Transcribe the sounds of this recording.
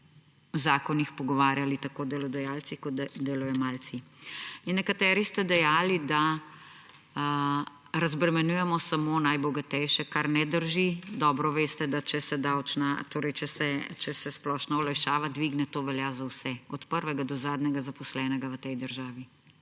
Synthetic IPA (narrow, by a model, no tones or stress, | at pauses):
wzaːkɔnixpɔɡɔʋaːɾjalit̪akoːd̪ɛlɔd̪ɛjaːlt̪sikɔd̪eːlujɛmaːlt̪siinːɛkat̪ɛːɾist̪ɛd̪ɛjaːlid̪a | ɾɐzbɾɛmɛnuːjɛmɔsamonajbɔɡat̪ɛjʃɛkaɾnɛd̪əɾʒid̪ɔːbɾɔʋeːst̪ɛd̪at͡ʃɛsɛd̪aːwt͡ʃnat̪oːɾɛjt͡ʃɛsɛt͡ʃɛsɛsplɔʃnɔɔlajʃaːʋad̪ʋiɡnɛt̪oːʋɛljazawsɛɔt̪pəɾʋɛɡad̪ɔzaːd̪nʲɛɡazapɔslɛːnɛɡaʋət̪ɛjd̪əɾʒaːʋi